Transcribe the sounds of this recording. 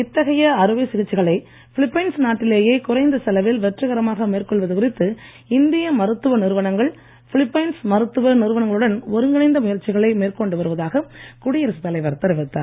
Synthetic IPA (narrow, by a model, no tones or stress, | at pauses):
ɪt̪ːɐɣɐjɐɐɾɯʋisɪɣɪt͡ʃːɪɣɐɭɐɪ | fɪlɪpːɐɪnsnaːʈːɪleːjeːkʊrɐɪnd̪ɐsɐlɐʋɪlʋɛʈrɯɣɐɾɐmaːɣɐmeːrkɔɭʋɐðɯkʊɾɪt̪ːɯ | ɪnd̪ɪjɐmɐɾɯt̪ːɯʋɐnɪɾɯʋɐnɐŋɡɐɭ | fɪlɪpːɐɪnsmɐɾɯt̪ːɯʋɐnɪɾɯʋɐɳɐŋɡɐɭɯɽɐnɔɾɯŋɡɐnɐɪnd̪ɐmʊjɐɾt͡ʃːɪɣɐɭɐɪmeːrkɔɳɖɯʋɐɾɯʋɐðaːɣɐkʊɽɪjɐɾɐsɯt̪ːɐlɐɪʋɐɾt̪ɐɾɪʋɪt̪ːa̰